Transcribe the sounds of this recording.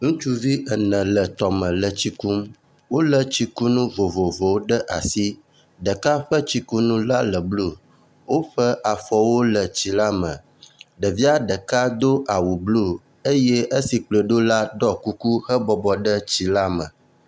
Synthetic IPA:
ŋũ˦t͡ʃu˦vi˦ə˨nə̃˨lə˨t̪ɔ˨mə̃˨lə˨t͡ɕi˦ku˦m | wo˦lə˨t͡ɕi˦ku˦nũ˦vo˨vo˨vo˨wo˦ɖə˦ʔa˨si˦ | ɖə˨ka˦ɸə˦t͡ɕi˦ku˦nũ˦la˦lə˨blu˦ | wo˦ɸə˦ʔa˨fɔ˨wo˦lə˨t͡ɕi˨la˦mə̰̃˨ | ɖə˨vi˦a˦ɖə˨ka˦d̪o˦ʔa˨wu˨blu˦˨ | e˦je˦ʔe˦si˨k͡plə˨ɖo˦la˦ɖɔ˦ku˦ku˦hə˦bɔ˨bɔ˨ɖə˦t͡ɕi˨la˦mə̰̃˨

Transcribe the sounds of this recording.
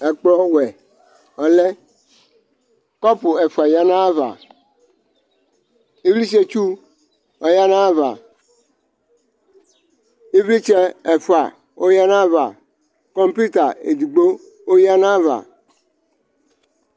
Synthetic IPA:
ɛ˨k͡plɔ˦wɛ˨ | ɔ̃˨lɛ˦ | kɔ˦pu˨ɛ˨fu˨a˨ja˦nã˦va̰˨ | i˦vli˦se˦t͡ʃu˦ | ɔ˨ja˦nã˦va̰˨ | i˦vli˦t͡ʃɛ˦ɛ˨fu˨a̰˨ | wʔo˦ja˦nã˦va̰˨ | kɔ˦mpi˦t̪a˨e˨d̪u˨ɡ͡bo˦ | wo˦ja˦nã˦va̰˨

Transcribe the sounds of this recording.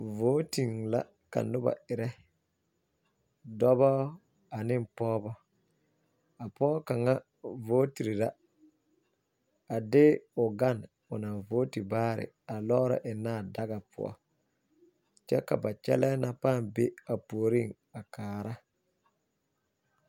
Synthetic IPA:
voː˦ti˨ŋla̰˦ | ka̰˨nʊ˦ba̰˨ɪ˨ɾɛ˦ | dɔ˦bɔ˦ | a˨nɪ˦˨mpɔː˦bɔ˦ | a˨pɔː˦ka˨ŋa˦ | vo˦ti˨ɾi˨la˦ | a˨dɪ˦ʊ˨ɡa˦˨n | ʊ˨na˨voː˦ti˨baː˦ɾɪ̰˨ | a˨lɔ˦ɾɔ̰˨ʔɪ˨naː˦˨da˦ɡa˨pʰʊ̰˦ɔ̰˦ | t͡ʃɛ̰˦ka̰˨ba˨t͡ʃɛ̰˦lɛ˦na˦paː˦˨mbe˦a˨poː˨ɾi˦˨ŋ | a˨kaː˨ɾa˦

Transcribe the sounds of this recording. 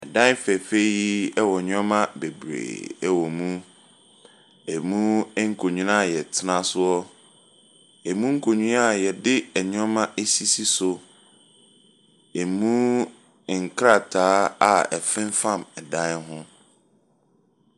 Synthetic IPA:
ɛ˨dã˦n˦fɛ˨fe˦ji˦ɛ˦wɔ˨ɲᶣɔ̃˦mã˦be˨bɾḛː˨ɛ˦wɔ˨mũ˦ | ɛ˨mũ˦ŋ̩˦kʰo˨ɲũ˦na˦˨jɛ˨tʰɪ˦nã˦sʊ˦ɔ˦ | ɛ˨mũ˦ŋ̩˦kʰo˨ɲũ˦na˦˨jɛ˨dɪ˦ɛ˨ɲɔ̃˦mã˦ʔe˦si˦si˦sʊ˨ | ɛ˨mũ˦˨ | ŋ̩˨kʰɾa˦˨tʰaː˨˦a˨ɛ̰˨fɪ̃˦n˦fã˦˨mɛ˨dã˦nɦʊ̃˦

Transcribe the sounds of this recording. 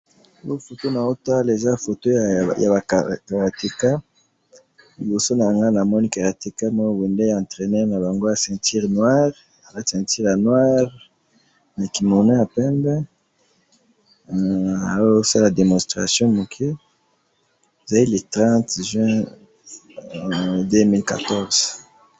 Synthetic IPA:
ɡo˦fo˨to˦na˨o˦ta˦le˨za˦fo˨to˦˨ja˨ba˨ka˨a˨te˨ka˦ | li˨bo˨so˦na˨ŋɡa˦na˨mɔ˦ni˦ka˨ʁa˨te˨ka˦nɔ˦˨we˨ndɛ˦jã˨tʁe˨nɛ˦na˨ba˨ŋɡo˦ja˨sɛ̃˨ti˦ʁnwa˦ʁ | a˨la˨sɛ̃˨ti˦ʁja˨nwa˦ʁ | na˨ki˨mo˨na˦ja˨pɛ̃˦mbɛ˦ | a˨wsa˦la˨de˨mɔ̃˨stʁa̰˨sjɔ̃˦mo˨kʰe˦ | e˨za˨li˦le˨tʁɑ̃˦tʒɥɛ̃˦ | dø˦mi˦lka̰˨tɔ˦ʁz̥

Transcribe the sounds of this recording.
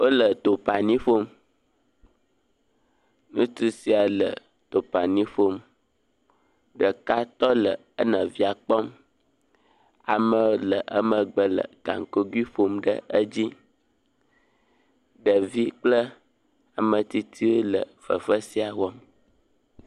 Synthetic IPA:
wo˦lə˨t̪o˨pa˨nĩ˦ɸo˦m | nũ˦t̪u˦si˨a˨lə̰˨ | t̪o˨pa˨nĩ˦ɸo˦m | ɖə˨ka˦t̪ɔ˦lə˨ | ə˦nə̃˨vi˦a˨k͡pɔ˦m | a̰˨mə̃˦o˦lə˨ʔə̰˦mə̃˨ɡ͡bə˨lə̰˨ɡa̰˨ŋ˨ko˦ɡwi˦ɸo˦mɖə̰˦ə˦d͡ʑi˦ | ɖə˨vi˦k͡plə˦ | a˨mə̃˨t̪i˦t̪ʰi˦wo˦lə̰˨fə̰˨fə˦si˦a˨wɔ˦m

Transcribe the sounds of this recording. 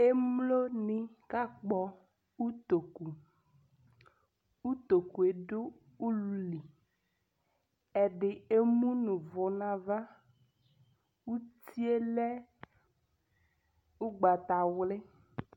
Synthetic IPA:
e˦mlo˦nĩ˦ka˦k͡pɔ˨˦ | u˦t̪o˨ku˨ | u˦t̪o˨ku˨e˨ɖo˦ | u˦lu˦li˨ | ɛ˨ɖɪ˨e˦mũ˦nũ˨vɔ˨nã˨va˦ | wu˦t̪i˦e˦lɛ˦ | u˦ɡ͡ba˨t̪a˨wle˦

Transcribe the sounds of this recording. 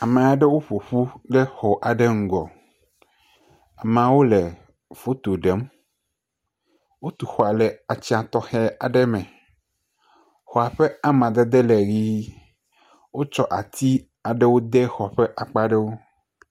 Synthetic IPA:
a˨mɛ̃˨a˨ɖɛ˦wo˦ɸo˨ɸu˦ɖe˦xɔ˨ʔa˨ɖe˦ŋ̩˨ɡɔ˨ | a˨m˨ã˨wo˦lɛ˨ | fo˦t̪o˨ɖe˨˦m | wo˦t̪u˨xɔ˨a˨lɛ˨a˨t͡ɕi˦a˨t̪ɔ˦xɛ˦a˨ɖɛ˦mɛ̃˨ | xɔ˨a˨ɸɛ˦a˦mã˨d̪e˦d̪e˦lɛ˨ɣi˦ | wo˦t͡ʃɔ˦ʔa˨t̪i˦ | a˨ɖe˦wo˦d̪e˦xɔ˨ɸɛ˦ʔa˨k͡pa˦ɖɛ˦wo˦

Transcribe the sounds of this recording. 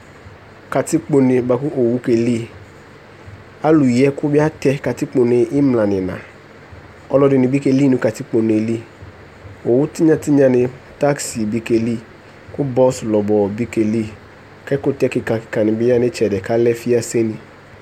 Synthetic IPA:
ka˨tɪ˦k͡po˨nɪ˨ba˨kʊ˦ʔo˨wu˦ke˨li˦ | a˦lu˨jɛ˦kʊ˦bɪ˦a˦tɛ˦ka˨tɪ˦k͡po˨nɪ˨ɪ˦mla˨nɪ̃˨nã̰˨ | ɔ˦lɔ˦dɪ˨nɪ˨bi˦ke˦li˦˨nʊ̃˨ka˨ti˦k͡po˨n˨e˨li˦ | o˨wʊ˦tɪ˦ɲã˨tɪ˦ɲã˨nɪ˨ | ta˦ksi˨bi˦ke˨li˦ | kʊ˦bɔ˦slɔ˨bɔ˨bi˦ke˨li˦ | kɛ˦kʊ˦tɛ˦kɪ˨ka˨kɪ̥˨ka˨nɪ˨bɪ˦a˦nɪ˦t͡ʃɛ˨dɛ˨ka˦lɛ˦fi˦a˦se˦ni˨

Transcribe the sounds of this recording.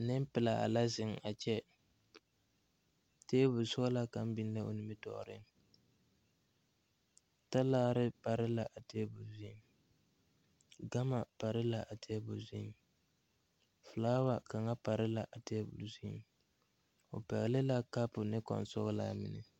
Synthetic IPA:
nɪ˦m˦pɪ˨la˨a̰˨la˦zɪ˨ŋa˨t͡ʃɛ˦ | teː˦bʊ˨lsʊ˦ɣla˦ka˦m˦bɪ˦n˦la˦o̰˨nɪ˦mɪ˦tɔ̰˨ɾɪ˦ŋ | ta˦laː˦ɾɪ˦pa˨ɾɪ˦la˨ʔa˨teː˦bʊ˨zi˦i˦m | ɡa˦ma˨pa˨ɾɪ˦la˨ʔa˨tʰɛ˦bʊ˨zi˦m | fʊ˨laː˦wa˦ka˨ŋa˦pa˨ɾɪ˦la˨ʔa˨teː˦bʊ˨lzi˦m | o̰˨pɛ˨ɣɪ˨lɪ˦la˦ka˦pʊ˨nɪ˦kɔ̰˨nsʊ˦ɣʊ˦la̰˦mɪ̰˨nɪ̰˨

